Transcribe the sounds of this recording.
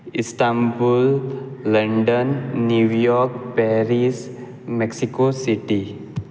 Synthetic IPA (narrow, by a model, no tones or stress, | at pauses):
ɪsʈambulːə̃ɳɖənːjujɔɾkpɛɾis | mɛksikosiʈi